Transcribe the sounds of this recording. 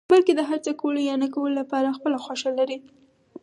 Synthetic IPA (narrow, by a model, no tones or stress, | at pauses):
balked̪əɦaɾt͡səkolijɑnakawəlolapɑɾaxpəlaxwaʃalaɾi